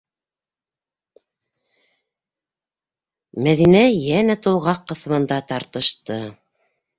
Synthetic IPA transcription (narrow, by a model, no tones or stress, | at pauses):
mæðinæjænæt̪ulˠʁɑqːɤ̆θɤ̆mɤ̆nd̪ɑt̪ɑɾt̪ɤ̆ʃt̪ɤ